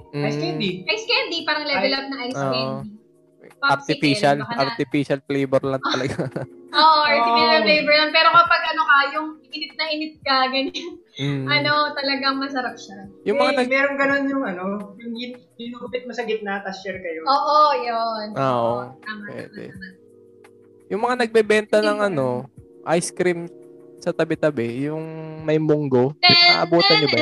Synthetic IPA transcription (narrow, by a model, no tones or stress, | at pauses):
ajskɛnd̪iʔajskɛnd̪ipaːɾɐŋlɛɛlɐb̚nɐʔajsoɛnd̪i | paɐɾt̪ɪfiʃɐlkɐɐɾt̪ɪfiːʃɐlflejbɛɾlɐnɐlɐɡaoʔoʔɐɾt̪ɪfiʃɐllejbɛɹlɐnpɛːɾo̞kɐpɐɡ̚ʔɐno̞kɐjʊŋɪʔɪnɪt̪̚nɐhɪnɪt̪̚kɐɡɐɲɐŋʔɐno̞t̪ɐlɐɡɐŋmɐs̬ɐɾɐk̚ʃajʊŋmɐŋanɐɡmɛɾoŋɡɐno̞njʊŋɐno̞jʊŋid̪ɪnːʊpɪt̪̚mɐsɐɡɪt̪̚nat̪ɐst͡ʃɛɾkɐjooːʔojonʔoʔo̰t̪amapwɛ̰d̪ɛ̰a | jʊŋmɐŋanɐɡ̚bɛbɛnt̪ɐnɐŋʔɐno̞ʔajskɾim | sɐt̪ɐbɛt̪ɐbɛjʊŋmɐjmʊŋɡo̞ɛa̰ʔɐbuːt̪ɐnd̪ɪba